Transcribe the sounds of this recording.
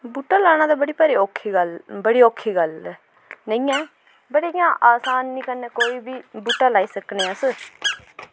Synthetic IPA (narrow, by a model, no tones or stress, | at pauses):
buːʈːaːlaːɽ̃aːd̪aːbəɽiːpəɾeːoːkʰːiːɡəlbəɽiːoːkʰːiːɡəlː | nəĩːɛ̃ː | bəɽejãːʔaːsaːnːĩːkəɾneːkoːiːbiːbuːʈːaːlaːiːsəkneːəs